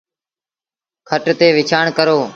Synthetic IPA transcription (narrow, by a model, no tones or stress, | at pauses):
kʰəʈt̪eːʋɪt͡ʃʰaːɳkəɾoː